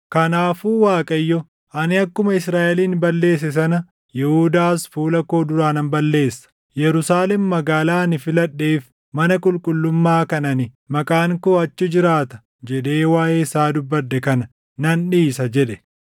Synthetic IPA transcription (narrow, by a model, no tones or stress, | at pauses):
kɐnaːfuːwaːkʼɐjːɔ | ɐnɪɐkːʊmɐɪsɾaːʔɛliːnbɐlːe̞ːs̬ɛs̬ɐnɐ | jɛhʊd̪aːsfuːlɐkoːd̪ʊɾaːnɐnbɐlːe̞ːsːɐ̥ | jɛɾʊsaːlɛmːɐɡaːlaːnɪfɪlɐɗːeːf | mɐnɐkʼʊlkʼʊlːʊmːaːkɐnɐnɪ | mɐkʼaːŋkoːɐt͡ʃːɪd͡ʒɪɾaːt̪ɐ̥ | d͡ʒɛᶑe̞ːwaːʔeːsaːd̪ʊbːɐɾd̪ɛkɐnɐ | nɐnᶑiːsɐd͡ʒɛᶑɛ̥